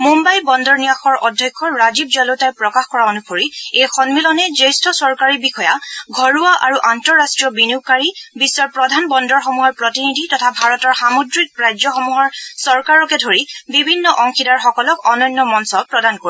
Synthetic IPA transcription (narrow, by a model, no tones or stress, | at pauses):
mumbajbɔndɔɹnijaxɔɹʔɔdʱjɔkʰːɔɹazib̚d͡ʒɔlotajpɹɔkaxkɔɹaonukʰoɹiejxɔnmilɔnɛzejstɔsɔɹkaɹibixɔjaɡʱɔɹuaʔaɹuʔantɔɹːastɹijɔbinikaɹibisːɔɹpɹɔdʱanbɔndɔɹxomuɦɔɹpɹɔtinidʱitɔtʰabʱaɹɔtɔɹxamodɹik̚ɹajd͡ʒɔxɔmuɦɔɹsɔɹkaɹɔkɛdʱoɹibibʱinːɔʔɔŋkʰidaɹxɔkɔlɔkɔnɔjnːɔmɔnsɔpɹɔdanko